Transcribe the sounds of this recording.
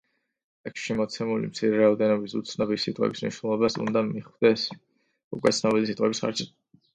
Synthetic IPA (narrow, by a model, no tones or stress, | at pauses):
ɛkʃimɔt̪sʰɛmulḭmt̪sʰiɾɛɾaɔd̪ɛnɔbisut̪sʰnɔbisit̪ʼqʼɛ̰bismnḭʃwnɛlˠɔbasṵ̃nd̪amiχwd̪ɛs | ṵkʼwɛt̪sʰnɔbilis̬it̪ʼqʼɛbisχa̰ɾd͡ʒi